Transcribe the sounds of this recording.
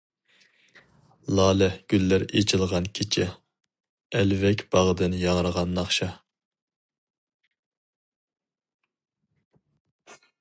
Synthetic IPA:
lˠɑːlɛhɡ̥ʲylːæɾet͡ʃʰɪlˠʁɑnkʲʰit͡ʃʰɪ | ɛlvɛkʲb̥ɑʁd̪ɨnjɑŋɾəʁɑnːɑχʃɑ

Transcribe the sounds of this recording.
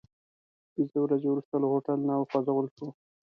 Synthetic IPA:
pizəwɾazewɾust̪alahoʈalnawqazawəlʃu

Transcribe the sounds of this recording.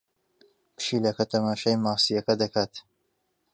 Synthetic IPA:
pɨ̥ʃiːlɐkɐt̪ʰɐmaːʃɐjmaːsijɐkɐd̪ɐkʰaːt̪

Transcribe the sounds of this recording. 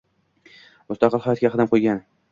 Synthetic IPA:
ʊst̪ɑqɨlˠhɒjɒt̪̚ɡʲaqʰɨd̪ɪmqʰojɡʲan

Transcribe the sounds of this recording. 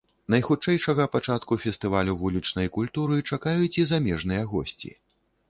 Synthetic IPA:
nɐjxut͡ʂɛjʂɐɣɐpat͡ʂat̪kufʲɛst̪ɨvalʲuvulʲit͡ʂnɐjkulʲt̪uɾɨt͡ʂakajut͡sʲizamʲɛʐn̪ɨjɐɣɔ̰sʲt͡sʲḭ

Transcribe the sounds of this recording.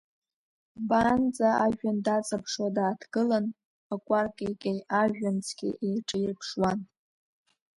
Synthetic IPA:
band͡zʼaaʒᶣandat͡sʼapʰʂwadaːtʰɡɨlan | akʷʼarkʼejkʲʼejaʒᶣant͡sʰʼɡʲḭʔejʈ͡ʂʼɨjrpʰʂwan

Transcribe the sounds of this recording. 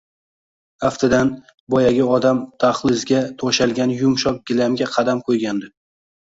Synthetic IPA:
aft̪ʰɪd̪an | bɒjaɡʲɪɒd̪amt̪ʰaχlˠɪzɡʲat̪ʰɒʃalˠɡʲanjʊmʃɒp̚ɡʲɪlamɡʲaqʰɑd̪amkʰojɡʲand̪ɪ

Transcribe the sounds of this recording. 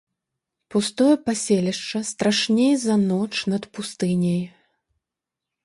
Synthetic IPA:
pust̪ɔjɐpasʲelʲiʂt͡ʂɐst̪ɾaʂnʲejzɐnɔt͡ʂnɐt̪pust̪ɨnʲɐj

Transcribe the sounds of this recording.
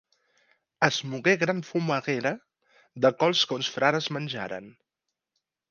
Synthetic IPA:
əzmuɣeɣɾaɱfuməɣeɾə | ðəkɔlˠskonsfɾaɾəzmənʲʒa̰ɾə̰n

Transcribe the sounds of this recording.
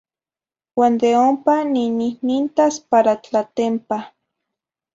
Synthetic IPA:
wand̪eompanininint̪aspaɾat͡ɬat̪empa

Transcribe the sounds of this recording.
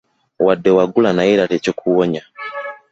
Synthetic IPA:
wadːewaɡulanaiɾalecokʰuwoɲa

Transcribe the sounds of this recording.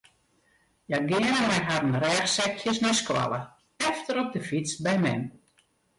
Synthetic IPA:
jaɡɪənəmɛjɦadən̩rɛːxsɛkjəsnɛskwa̰lˠə | ɛftəɾɔp̚dəfit͡sbɛjmɛ̰n

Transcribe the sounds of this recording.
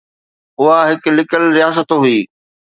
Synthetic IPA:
ʊɦaɦɪklɪkəlɾijaːs̬ət̪oɦʊiː

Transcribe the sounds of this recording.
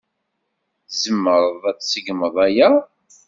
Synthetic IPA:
zəmːəɾˤəðˤæt͡ssəɡməðˤæjæ

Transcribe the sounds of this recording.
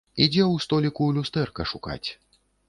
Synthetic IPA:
id͡zʲɛwst̪ɔlʲikulʲust̪ɛrkɐʂuka̰t͡sʲ

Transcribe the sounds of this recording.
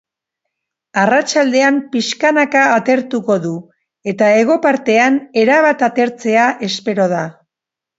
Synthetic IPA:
arat͡ʃald̪e̞ampiʃkanakaːt̪e̞ɾt̪uko̞ðu | e̞t̪ae̞ɣ̞o̞paɾt̪e̞ane̞ɾaβat̪at̪e̞ɾt͡se̞aʔe̞spe̞ɾo̞ða

